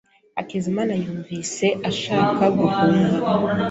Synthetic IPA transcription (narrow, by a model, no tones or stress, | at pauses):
a̰kezimanajuːɱvise̞ʔaʃaːkaɡuvuːŋɡa